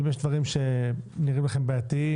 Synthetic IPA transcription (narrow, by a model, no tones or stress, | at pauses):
mjeʃd̪vaʁimʃeniʁimlaχe̞mbeat̪i